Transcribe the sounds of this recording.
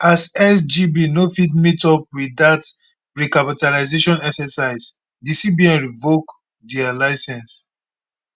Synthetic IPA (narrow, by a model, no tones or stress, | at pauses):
asɛsd͡ʒibinofid̚mitɔp̚wiðat | ɹikapitalaɪzeʃɔ̃nɛksɛsaɪs | disibiɛ̃nɹivok | dɛalaɪsɛ̃ns